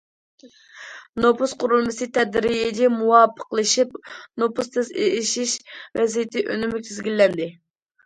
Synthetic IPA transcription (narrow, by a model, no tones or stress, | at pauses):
nopusqʰʊɾulˠmɨsɨt̪ʰɛd̪ɾijid͡ʒʲɛmuwɑpʰə̥qlˠɨʃip̚nopust̪ʰɨseʃiʃvɛzijɪt̪ʰɪʔønɪmɪkʲʰizɡʲilːɛnd̪ɪ